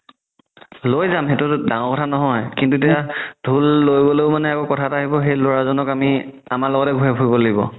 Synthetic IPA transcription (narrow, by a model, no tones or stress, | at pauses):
lojzamɦetʊdãŋɔɹkɔtʰanɔɦɔjkintutejadʱulːojboleʊmanɛakɔkɔtʰataɦibɔxejloɹazɔnɔkami | amalɔɡɔtɛɡʱuɦɛkʰuibɔlaɡibɔ̰